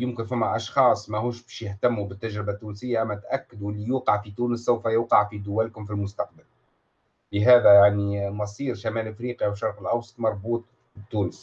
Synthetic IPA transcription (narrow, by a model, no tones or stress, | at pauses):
jʊmkɪnfæmːæʔɑʃxɑːsˤmæhuːʃbɛːʃjɪht̪æmːubɪt̪ːæʒɾɪbat̪ːuːnsɪjːaʔæmːæt̪ʔækːɪd̪uɪlːijuːqɑʕfit̪uːnəsːawfæjuːqɑʕfid̪ʊwælkʊmfilmʊst̪ɑq̚bal | lɪɦæːðæjaʕnimɑsˤiːɾʃamæːlʔɪfɾiːqiwʃɑɾˤqəlʔɑwsˤɑ̥t̪ˤmɑɾˤbuːt̪̚ˤ | t̪ːuːnəs